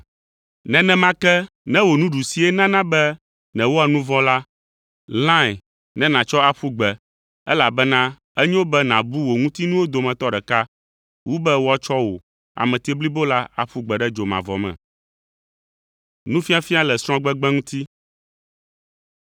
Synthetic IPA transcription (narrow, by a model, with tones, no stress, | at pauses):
nɛ̃˨nɛ̃˨mã˦kɛ˦ | nɛ̃˦wo˨nũ˦ɖu˨si˨ɛ˦nã˦nã˦bɛ˦ | nɛ̃˨wo˦a˨nũ˦vɔ̃˦la˦ | lã˦˨ | nɛ̃˦nã˨t͡ʃɔ˦a˨ɸu˦ɡ͡bɛ˨ | ɛ̰˦la˨bɛ˦nã˦ | ɛ˦ɲɛ̃˦wo˦bɛ˦nã˨bu˦wo˨ŋũ˦t̪i˦nũ˦wo˦d̪o˨mɛ̃˨t̪ɔ˦ɖɛ˨ka˦ | wu˦bɛ˦wo˦a˦t͡ʃɔ˦wo̰˨ | a̰˨mɛ̃˨t̪i˦bli˦bo˦la˦a̰˨ɸu˦ɡ͡bɛ˨ɖɛ˦d͡ʒo˨mã̰˨vɔ̰˨mɛ̰̃˨ | nũ˦fi˦a˦fi˦a˦lɛ˨sɾ̃ɔ̃˦ɡ͡bɛ˦ɡ͡bɛ˦ŋũ˦t̪i˦